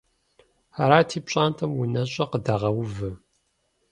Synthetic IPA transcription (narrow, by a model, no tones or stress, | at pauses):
aɾaːtʰiːpɕʼaːntʰɐmwunɐɕʼɐqədaʁɐwʊvɨ